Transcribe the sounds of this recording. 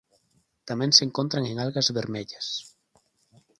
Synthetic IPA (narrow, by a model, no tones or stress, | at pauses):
t̪amẽnseŋkont̪ɾaŋeŋalɣazβeɾmeʎas